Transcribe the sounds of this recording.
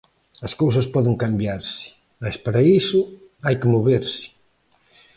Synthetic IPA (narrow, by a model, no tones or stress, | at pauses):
ɐskowsɐspɔðɪŋkambjaɾsɪ̥ | maspaɾɐisʊ | ajkɪmoβeɾsɪ̥